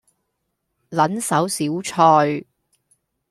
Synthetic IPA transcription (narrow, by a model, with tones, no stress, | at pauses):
lɐ˨˥nsɐ˨˥wsiː˨˥wt͡ʃʰɔː˧j